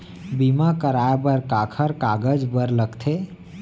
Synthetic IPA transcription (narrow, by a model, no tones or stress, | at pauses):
bimakəɾaebəɾkakʰəɾkaɡəd͡ʒbəɾləkt̪ʰe